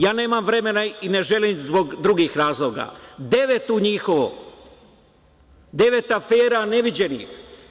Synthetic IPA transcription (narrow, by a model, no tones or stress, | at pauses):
jaːne̞ːmamʋɾe̞me̞naine̞ʒe̞limzbo̞ɡd̪ɾuɡixɾaːzlˠo̞ɡa̰d̪e̞ʋe̞t̪uɲixo̞ʋo̰ | d̪e̞ʋe̞t̪afeːɾane̞ʋid͡ʑe̞nḭx